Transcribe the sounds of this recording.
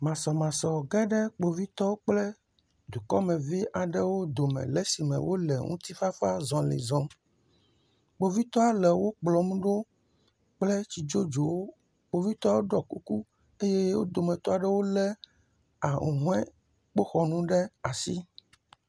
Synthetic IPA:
mã˨sɔ˨mã˨sɔ˨ɡɛ˦ɖɛ˦k͡po˨vi˦t̪ɔ˦wo˦k͡plɛ˦ | d̪u˨kɔ˦mɛ̃˨vi˦ʔa˨ɖɛ˦wo˦d̪o˨mɛ̰̃˨lɛ˦si˨mɛ̰̃˨wʔo˦lɛ̰˨ŋṵ̃˦t̪i˦fa˦fa˦zɔ̃˨lḛ˨zɔ̃˨˦ | k͡po˨vi˦t̪ɔ˦a˨lɛ˨wo˦k͡plɔ˨mũ˦ɖo˦ | k͡plɛ˦t͡ɕi˨d͡ʒo˦d͡ʒo˨wo˦ | k͡po˨vi˦t̪ɔ˦wo˦ɖɔ˨ku˦ku˦ | e˦jɛ˦wo̰˦d̪o˨mɛ̃˨t̪ɔ˦a˨ɖɛ˦wo˦lɛ˦ | a˨ŋṵ˨ɦũ˦ɛ̃˦ | k͡po˦xɔ˨nũ˦ɖɛ˦a˨sḭ˦

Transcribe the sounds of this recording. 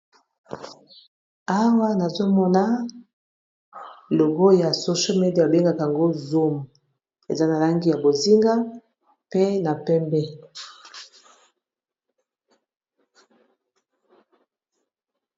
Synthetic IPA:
a˦wa˦na˨zo˦mɔ˦na˦ | lo˨ɡo˦ja˨so˨ʃo˦me˨di˦a˨a˨be˦ŋɡa˨ka˨a˨ŋɡo˦zo˦m˨ | ḛ˨za˦na˨la˦ŋɡi˦ja˨bo˨zi˦ŋɡa˦ | pe˦na˨pɛ˦mbɛ˦

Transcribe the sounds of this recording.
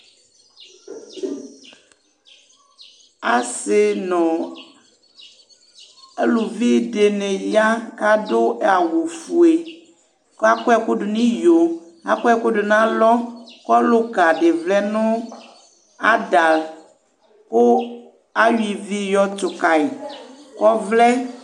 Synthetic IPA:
a˨sɪ˨nɔ̃˨ | e˦lu˨vi˦ɖe˨ne˨ja˦ka˦do˦ɛ˦a˨wo˨fu˨e˨ | ka˦ko˦ɛ˦ko˦ɖʊ˨nĩ˦jo˨ | a˨kɔ˦ɛ˦ko˦ɖo˨nã˦lɔ˦kɔ˦lo˦ka˨ɖe˨vlɛ˦nʊ̃˦ | a˦da˨l | ko˦ | a˦ɥi˨vi˦jɔ˦t̪o˨ka˨e˨kɔ˦vlɛ˦

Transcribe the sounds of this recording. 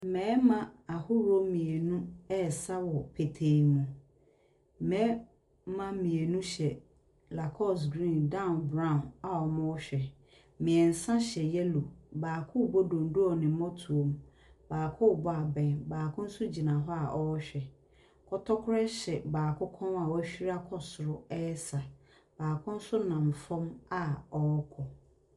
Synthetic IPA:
m̩˨mɛ̃ː˨˦mã˦a˨hʊ˦ɾʊ˦o˦mĩ˨e˨nũ˦ɛ˦˨sa˦wɔ˨pʰe˨tʰeː˨nũ˨˦ | mɛ̃ː˨˦ | mã˦mĩ˨e˨nũ˦ɕɛ˨ | la˨kʰɔ˦s̬ɡɾĩ˦˨ndã˦ʊ˨nbɾã˦ʊ̃˨na˨ɔ˨mʊ̃˦ɔ˦ɕᶣɛ˨˦ | mɪ̃˨ɛ˨n̩˨sã˦ɕɛ˨jɛ˦lo˨baː˨kʰʊ̃˦˨bo˦dõ˨n˦du˦ɔ˨nɪ̃˨˦mɔ̃˦tʰu˨o˨m˦ | baː˨kʰʊ˦˨bɔ˦a˨bɛ̃˨nbaː˨kʰʊ̃˦n̩˦sʊ˦d͡ʑi˨nã˨ɦɔ˦a˨ʔɔ˦ɕᶣɛ˨ | kʰɔ˦tʰɔ˦kʰʊ˦ɾɛ˦ɕɛ˨baː˨kʰʊ˦kʰɔ̃˦na˨wæ˦ɕᶣi˦ɾa˦kʰɔ˦sʊ˨ɾʊ˦ɛ˦ɛ˦sa˨ | b̥aː˨kʰʊ̃˦n̩˦sʊ˦nã˨ɱ˨fɔ̃˦ma˨ɔ˦kʰɔ˨

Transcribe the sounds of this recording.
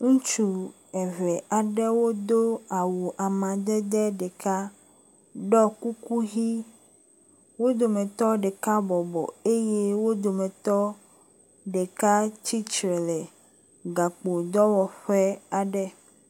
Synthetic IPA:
ŋũ˦t͡ʃu˦ | ɛ˨vɛ˨ʔa˨ɖɛ˦wo˦d̪o˦a˨wu˨ʔa˨mã˨d̪ɛ˦d̪ɛ˦ɖɛ˨ka˦ | ɖɔ˦ku˦ku˦ɦi˦ | wo˦d̪o˨mɛ̃˨t̪ɔ˦ɖɛ˨ka˦bɔ˨bɔ̰˨e˦je˦wo˦d̪o˨mɛ̃˨t̪ɔ˦ | ɖe˨ka˦t͡ɕi˦t͡ʃɾɛ˨lɛ˨ | ɡa˨k͡po˨d̪ɔ˦wɔ˨ɸɛ˦a˨ɖɛ˦

